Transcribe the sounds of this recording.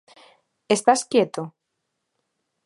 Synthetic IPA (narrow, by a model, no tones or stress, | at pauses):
est̪askjet̪o